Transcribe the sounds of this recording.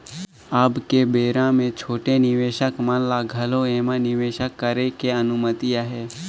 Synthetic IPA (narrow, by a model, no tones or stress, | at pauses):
aːbkebeːɾãmẽt͡ʃʰoːʈenɪʋeːʃəkmənlaɡʱɐloeːmãnɪʋeːʃəkːəɾekeənʊmət̪ijaɦɛː